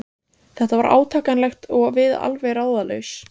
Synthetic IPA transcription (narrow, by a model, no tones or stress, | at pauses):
θɛht̪avaɾʔa̰ːwt̪ʰaːkanlɛxt̪ɔɣvɪða̰lvɛjɾaːwðaleɥs